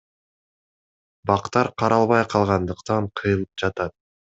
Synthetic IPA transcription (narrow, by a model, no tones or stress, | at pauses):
bɑqt̪ɑɾqʰɑɾɑlˠβɑjqʰɑlˠʁɑnd̪ɯqt̪ɑɴqʰɯjɯlˠɯp̚d͡ʒɑt̪ɑt̪̚